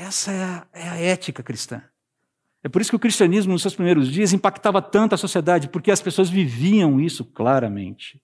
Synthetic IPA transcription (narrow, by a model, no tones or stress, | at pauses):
ɛsɐɛɐɛɐɛt͡ʃikɐkɾist̪ɐ̰̃ | ɛpoɾisʊ̥kɪʊkɾist͡ʃɐ̃nizmʊnʊsewspɾimejɾʊzd͡ʒiɐzĩpakt̪avɐt̪ɐ̃nt̪ʊɐsosied̪ad͡ʒɪpoɾkeɐspesoɐzviviɐ̃w̃isʊklaɾɐmḛ̃nt͡ʃɪ̥